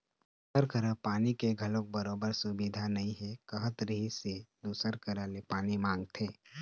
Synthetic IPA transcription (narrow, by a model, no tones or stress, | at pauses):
səɾkəɾə̃paːnikeɡʱɐlõk̚bɐɾoːbəɾsʊbid̪ʱanɐɦĩɦɛkəɦət̪ɾɦised̪uːsəɾkəɾəlepaːnimãːŋɡt̪ʰeː